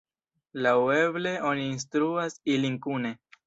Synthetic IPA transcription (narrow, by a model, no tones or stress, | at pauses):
lawe̞ble̞o̞niːns̬t̪ɾuasiliŋkune̞